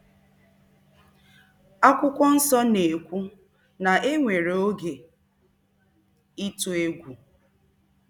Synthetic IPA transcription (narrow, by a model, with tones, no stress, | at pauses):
a˦kʷʊ˦kʷɔ˦n̩˦sɔ˦ne˨kʷu˦ | na˨ʔe˦ŋʷe˨ɾo˦ɡe˨ | i˦tu˨e˦ɡʷu˨